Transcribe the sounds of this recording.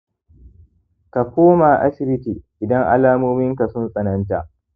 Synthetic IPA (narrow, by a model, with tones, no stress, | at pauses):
ka˨kʷoː˦ma˨ʔa̰˦ʃɪ˦ɾɪ˦kiː˨ʔɪ˨dɐ˦ŋʔa̰˦laː˦moː˦mɪ˦ŋka˨sʊ˦nsʼɐ˨nɐ˦nta˨ʔ